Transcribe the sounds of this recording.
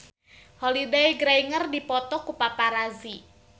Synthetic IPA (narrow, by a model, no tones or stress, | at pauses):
holidajɡɾaiŋərdipɔt̪ɔkupapaɾazi